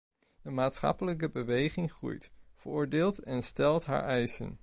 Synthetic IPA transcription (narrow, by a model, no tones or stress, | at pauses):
dəmaːtsχɑ̰pələkəbəʋejχɪŋχrṵjtv̥əɹʊːɹdɪːlˠtɛnstɛlˠtɦa̰ːɹʔɛjsə̰n